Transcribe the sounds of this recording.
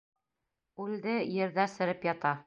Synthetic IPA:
ʉld̪ɘjɘ̆ɾðæsɘ̆ɾɘpjɑt̪ɑ

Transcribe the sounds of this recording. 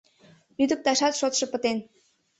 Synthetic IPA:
lyd̪ə̆k̚t̪ɑʃɑt̪ʃot̪ʃɤ̆pə̆t̪en

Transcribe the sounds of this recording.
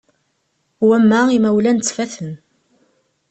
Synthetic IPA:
wæmːæimæwlænt͡sːfæθən

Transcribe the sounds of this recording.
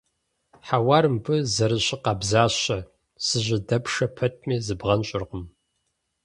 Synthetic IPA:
ħawaːɾɨmpʰɨzɐɾɨɕʼɪqɑːbzaːɕɐ | sɨʑɪdɐpʂɐpʰɐt̚ʰʼmiːzɨbʁɐnɕʼɪrqəm

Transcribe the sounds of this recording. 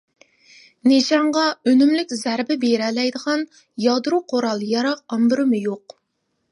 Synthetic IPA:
neʃɑɴʁɑønymlɪkʲzæɾbɪbeɾɛlɛjd̪əʁɑn | jɑd̪ɨɾuqʰoɾɑlˠjɑɾɑq̚ɑmbɪɾɨmɨjoq

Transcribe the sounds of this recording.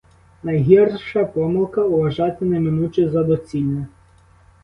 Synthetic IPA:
nɐjɦʲirʃɐpɔmɪlˠkɐʊʋɐʒɑt̪ɪnɐmɪnut͡ʃɪzɐd̪ɔt͡sʲilʲnɐ

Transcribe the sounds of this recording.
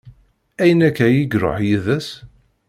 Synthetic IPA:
æjənækːæjiɡɾo̰ħjiðæs

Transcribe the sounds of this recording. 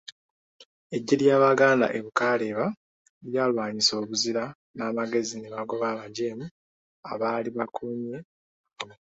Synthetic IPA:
e̞ɟːeljaːβaɡaːnda̰ʔe̞βukaːle̞ːβa | ljaːlwaːɲiso̞ːβuziɾa | naːmaɡe̞zine̞βaɡo̞βaːβaɟe̞ːmu | a̰βaːliβakʰuɲe

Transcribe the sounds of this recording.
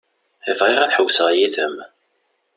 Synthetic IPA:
ivʁiʁæθħəwːsəʁjiθəm

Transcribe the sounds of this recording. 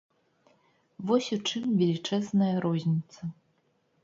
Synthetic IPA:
vɔsʲut͡ʂɨmvʲɛlʲit͡ʂɛznɐjɐɾɔzʲnʲit̪sɐ

